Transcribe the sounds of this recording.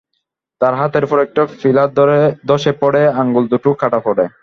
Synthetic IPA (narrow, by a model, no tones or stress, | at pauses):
t̪aɾɦat̪ʰeɾpɔɾɛk̚ʈafilad̪ɔʃepɔɽeaŋɡuld̪uʈukʰaʈapɔɽe